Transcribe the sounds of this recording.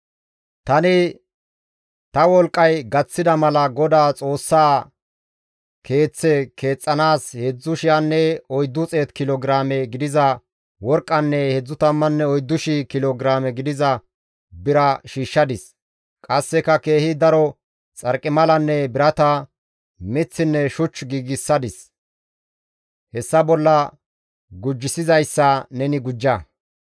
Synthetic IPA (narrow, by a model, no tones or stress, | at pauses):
t̪ɐnɪ | t̪ɐwɔlkʼːɐjɡɐt͡sːɪd̪ɐmɐlɐɡɔd̪aːt͡sʼo̞ːsːaː | kʰe̞ːt͡sːɛke̞ːt͡sʼːɐnaːshɛd͡zːʊʃɪjanːɛɔjd̪ːʊt͡sʼeːt̪kɪlɔɡɾaːmɛɡɪd̪ɪzɐ | wɔɾkʼːɐnːɛhɛd͡zːʊt̪ɐmːɐnːɛɔjd̪ːʊʃɪkɪloɡɾaːmɛɡɪd̪ɪzɐ | bɪɾɐʃiːʃːɐd̪ɪs | kʼɐsːɛkɐke̞ːhɪd̪ɐɾɔ | t͡sʼɐɾkʼːɪmɐlɐnːɛbɪɾɐt̪ɐ | mɪt͡sːɪnːɛʃʊt͡ʃːɡiːɡɪsːɐd̪ɪs | hɛsːɐbɔlːɐ | ɡʊd͡ʒːɪsɪzɐjsːɐnɛnɪɡʊd͡ʒːɐ